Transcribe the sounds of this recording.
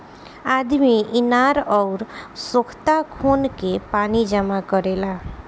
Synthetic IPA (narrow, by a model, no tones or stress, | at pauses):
ad̪miɪnaɾɔːɾsʊkʰt̪akʰonkepanid͡ʒəmakɔɾela